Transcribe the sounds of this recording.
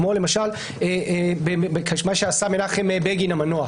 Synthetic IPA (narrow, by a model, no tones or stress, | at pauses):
molemaʃal | ebekaʃmaʃeasamenaχemebeɡinamanoa